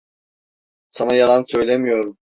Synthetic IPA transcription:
sanajalˠansø̞jlʲemijo̞ɾum

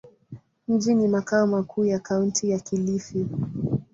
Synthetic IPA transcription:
m̩d͡ʒinimakaɔmakʰuːjakauntʰijakilifi

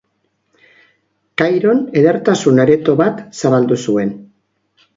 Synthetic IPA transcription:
kajɾo̞ne̞ðe̞ɾt̪asunaɾe̞t̪o̞βat̪saβald̪usue̞n

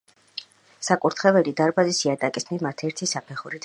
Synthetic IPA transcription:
sakʼuɾt̪ʰχɛvɛlid̪aɾbazisiat̪ʼakʼisnimat̪ʰɛɾt̪ʰisapʰɛχuɾit̪ʰ

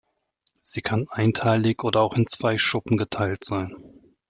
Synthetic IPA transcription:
z̥iːkʰanʔaɪntʰaɪlɪçʔoːdɐaʊxɪnt͡sv̥aɪʃʊpm̩ɡətʰaɪltz̥aɪn

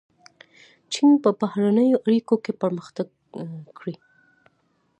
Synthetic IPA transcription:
t͡ʃinpəbahɾanəjoʔaɽikokepəɾməxt̪aɡ | kɽi

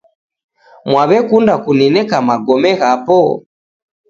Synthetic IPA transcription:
mwaβɛkundakuninɛkamaɡɔmɛɣapɔ

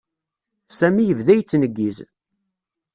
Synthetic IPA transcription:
sæmijəvðæjt͡sːnəɡːiz

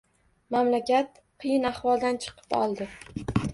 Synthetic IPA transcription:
mamlakʲat̪ | qʰɨjɪnahwɒlˠd̪ant͡ʃʰɨ̥qʰɨ̥pɒ̰lˠd̪ɪ

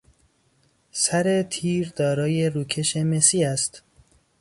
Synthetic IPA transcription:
sæɾe̞t̪ʰiːɾd̪ɒːɾɒːje̞ɾuːkʰe̞ʃemesiːæst̪

